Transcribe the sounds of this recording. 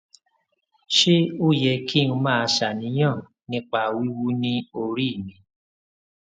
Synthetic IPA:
ʃe˦u˦jɛ˧ki˦˨nũ˧mãː˦˧ʃa˨nĩ˨˦j̃ã˦˨ | nĩ˧˦k͡pa˧˨wi˦wu˦nĩ˦o˧ɾi˦˨mĩ˧

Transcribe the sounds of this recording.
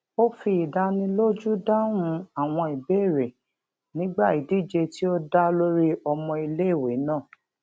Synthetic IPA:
o˦fi˧˦i˨da˧˦nĩ˧lo˦d͡ʒu˦da˦wũ˧a˦˨w̃ɔ̃˧i˨be˦˨ɾe˨ | nĩ˦ɡ͡ba˦˨i˨di˦˨d͡ʒe˧ti˦o˦da˦lo˦ɾi˦ɔ˧mɔ̃˧i˧le˦˨we˨˦nã˦˨

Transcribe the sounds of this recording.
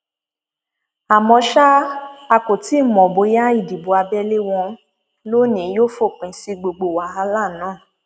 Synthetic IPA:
a˨mɔ̃˧ʃa˦a˧ko˨ti˨˦˨mɔ̃˨bo˨˧˦ja˦i˦˨di˨bu˨a˧bɛ˦le˦w̃ɔ̃˧ | lo˦nĩ˨˦jo˦fo˦˨k͡pĩ˨si˧ɡ͡bo˧ɡ͡bo˨wa˨˦a˧˦la˦˨˦nãː˨˦˨

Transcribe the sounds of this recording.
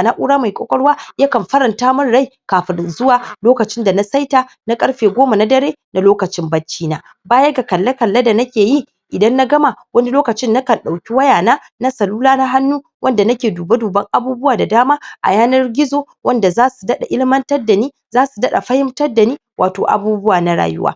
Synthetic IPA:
na˦ʔu˦ɽaː˦ma˨jkʷʼo̰˦kʼɔ˦ɽwaː˦jɐ˦kɐ˨mɸɐ˦ɾɐ˨ntaː˦mɐ˦nɽa˦jkaː˨ɸɪ˦nzʊ˦waː˨loː˦kɐ˨t͡ʃɪ˦nda˨na˦sɐ˦jtaː˦ | na˦kʼɐ˦ɽɸeː˨ɡʷoː˦ma˨na˦dɐ˦ɾeː˦na˨loː˦kɐ˨t͡ʃɪ˦mbɐ˦t͡ʃːiː˦naː˨ | baː˦jɐ˦ɡa˨kɐ˨lːɐ˦kɐ˨lːa˦da˨nɐ˦kʲeː˨ji˦ | ʔɪ˨dɐ˦nːa˦ɡɐ˦ma˨wɐ˦ni˦loː˦kɐ˨t͡ʃɪ˦nːa˦kɐ˨nɗa˨wkʲi˦wɐ˦jaː˨naː˦ | na˦sɐ˨luː˦laː˦na˦ɦa˦nːuː˦ | wɐ˦nda˨nɐ˦kʲeː˨duː˨ba˦duː˨bɐ˦ŋʔa˦buː˦bʊ˦waː˨da˨daː˦maː˦ʔa̰˨jaː˦nɐ˦rɡʲɪ˦zoː˨ | wʔɐ˦nda˨zaː˦su˨dɐ˦ɗa̰˨ʔɪ˦lɪ˦mɐ˦ntɐ˦rda˨niː˦ | zaː˦su˨dɐ˦ɗa̰˨ɸɐ˦hɪ˦mtɐ˦rda˨niː˦waː˨to̰ː˨ʔa̰˨buː˦bʊ˦waː˨na˦ɽa̰ː˨jʊ̰˦wʔa̰ː˦

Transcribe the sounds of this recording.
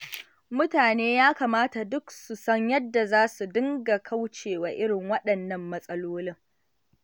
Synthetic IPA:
mʊ˦taː˨neː˦jaː˦kaː˨maː˦ta˨dʊ˦ksu˨sɐ˦ɲjɐ˦dːa˨zaː˦su˨dɪ˦ŋɡa˨kʰa˦wt͡ʃeː˨wa˨ʔɪ˦ɽɪ˨ŋwɐ˦ɗɐ˨nːɐ˦mːɐ˦sʼɐ˦loː˦lɪ˦ŋ

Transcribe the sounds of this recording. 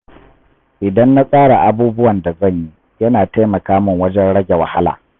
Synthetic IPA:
ʔɪ˨dɐ˦nːa˦sʼaː˦ɽa˨ʔa˦buː˦bʊ˦wɐ˨nda˨zɐ˦˨ɲji˦ | jɐ˦naː˨ta˦jmɐ˨kaː˦mɪ˨ŋwɐ˦d͡ʒɛ˦nɽɐ˦ɡʲe˨wɐ˨ha˦la̰ː˨

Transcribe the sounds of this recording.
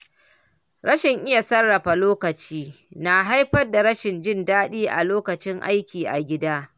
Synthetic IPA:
ɾɐ˦ʃɪ˨ŋʔɪ˦ja˨sɐ˦rːɐ˨ɸa˨loː˦kɐ˨t͡ʃiː˦ | na˨ɦa˦jɸɐ˦rda˨ɾɐ˦ʃɪ˨nd͡ʒɪ˦ndaː˦ɗiː˦ʔa̰˨loː˦kɐ˨t͡ʃɪ˦ŋʔa̰˦jkʲiː˨ʔa̰˨ɡʲɪ˦daː˦

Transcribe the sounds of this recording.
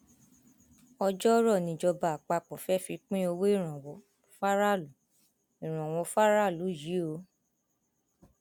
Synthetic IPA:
ɔ˧d͡ʒɔ˦ɾɔ˦˨nĩ˨d͡ʒɔ˧ba˧˨a˨k͡pa˧˨k͡pɔ˨fɛ˦fi˧k͡pĩ˦o˧we˦i˦˨ɾ̃ã˨wɔ˨˧˦ | fa˦ɾa˦˨lu˨˦ | i˨ɾ̃ã˨wɔ˧˦fa˦ɾa˦˨lu˨˦ji˨˦o˨˧˦

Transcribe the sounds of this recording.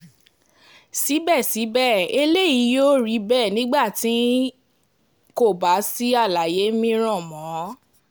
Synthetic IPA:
si˨˦bɛ˦˨si˨˦bɛ˦˨e˧le˦ji˨˦joː˦ɾi˨˦bɛː˦˨nĩ˨˦ɡ͡ba˦˨tĩ˨˦ | ko˦˨ba˨˦si˦a˦˨la˨je˨˦mĩ˧ɾ̃ɔ̃˦˨mɔ̃˨˦

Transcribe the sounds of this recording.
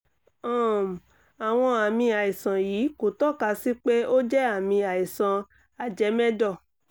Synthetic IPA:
ɔ̃˦˨m˨ | a˨w̃ɔ̃˧a˨mĩ˧a˨i˨sã˨jiː˨˦ko˨tɔ˦ka˧si˦k͡pe˦o˦d͡ʒɛ˦a˦˨mĩ˧a˨i˨sã˧ | a˨d͡ʒɛ˨˧˦mɛ̃˦dɔ˦˨

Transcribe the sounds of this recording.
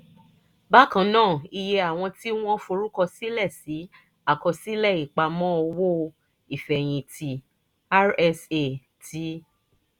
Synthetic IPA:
ba˦kã˧˦nãː˦˨i˧je˧a˨w̃ɔ̃˧ti˦w̃ɔ̃˦fo˧ɾu˦kɔ˧si˦lɛ˦˨si˨˦ | a˦˨kɔ˧si˦lɛ˦˨i˨k͡pa˧mɔ̃˦ɔ˧wo˦˧ | i˨fɛ˨j̃ĩ˧tʰi˧ | a˦ɾɛ˧se˨ | ti˨˦

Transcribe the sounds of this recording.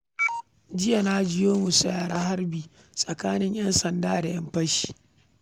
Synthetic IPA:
d͡ʒɪ˦ja˨naː˦d͡ʒɪ˦joː˦mu˨sa˦jaː˨ɽaː˦ɦa˦ɾbiː˨ | sʼɐ˨kaː˦nɪ˦ɲjɐ˦nsɐ˨ndaː˦da˨jɐ˦mɸɐ˦ʃi̥ː˦

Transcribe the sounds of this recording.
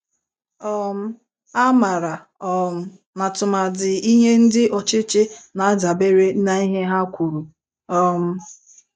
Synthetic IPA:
ɔ˦m̩˦ | a˦ma˨ɾa˨ | ɔ˦m̩˦ | na˨tʊ˨ma˨dɪ˨i˦ɲe˦n̩˦dɪ˦ʔɔ˨t͡ʃɪ˦t͡ʃɪ˦na˨a˦d͡ʒa˨be˦ɾe˦na˨i˦ɦe˦ɦa˦kʷu˨ɾu˨ | ɔ˦m̩˦

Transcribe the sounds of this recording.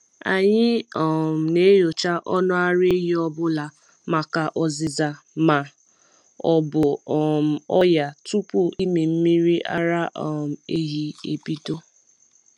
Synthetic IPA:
a̰˨ɲɪ˦ɔ˨m̩˨ne˦jo˨t͡ʃa˦ʔɔ˦nʊ˦a˦ɾe˦ɦi˦ɔ˦bʊ˦la˨ | ma˨ka˨ʔɔ˨zɪ˨za˨ | ma˨ | ɔ˨bʊ˨ɔ˨m̩˨ɔ˦ja˨tu˦pu˦i˦me˨m̩˦mi˦ɾi˦ʔa̰˦ɾa˦ʔɔ˨m̩˨e˦ɦi˦ḛ˨bi˦do˦

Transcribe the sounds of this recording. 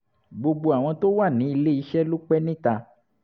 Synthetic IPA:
ɡ͡bo˧ɡ͡bo˧a˨w̃ɔ̃˧to˦wa˦˨nĩ˨˦i˧le˦i˧ʃɛ˦lu˦k͡pɛ˦nĩ˦ta˧

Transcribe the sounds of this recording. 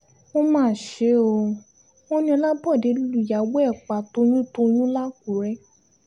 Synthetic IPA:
o˦mãː˦˨ʃe˨˦o˧ | o˦nĩ˧ɔ˧la˦bɔ˦˨de˨˦lu˦lu˨ja˨˦wɛ˦˨k͡pa˨to˧˦jũ˦to˧j̃ũ˦la˦k̚u˨ɾɛ˦

